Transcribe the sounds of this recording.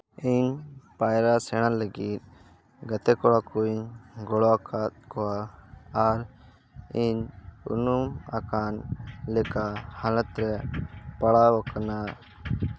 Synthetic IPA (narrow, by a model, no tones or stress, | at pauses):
iɲpajɾasɛɽ̃aləɡit̪̚ | ɡət̪ɛkɔɽakuɲɡɔɽɔakʰat̪̚kɔwaː | ɾ | iɲṵnumakanlɛkahalət̪ɾɛpaɽaɔkana